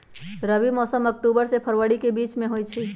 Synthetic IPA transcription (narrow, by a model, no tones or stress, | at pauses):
ɾəbimɔːsəmək̚ʈuːbəɾsepʰəɾwəɽikebiːt͡ʃmẽɦoit͡ʃʰi